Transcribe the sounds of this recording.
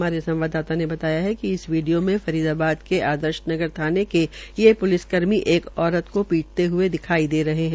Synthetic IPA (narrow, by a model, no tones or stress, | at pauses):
maːɾesɐ̃mʋaːd̪ːaːt̪anebɐt̪aːjaɦɛkiɪsʋiːɖijomẽfɐɾiːd̪aːbaːd̪keʔaːd̪əɾʃnɐɡəɾt̪ʰaːnekelijepʊlɪskɐɾmiʔeːkɔːɾət̪kopiːʈ̚t̪eɦʊed̪ɪkʰaːid̪eːɾɐɦeɦɛ̃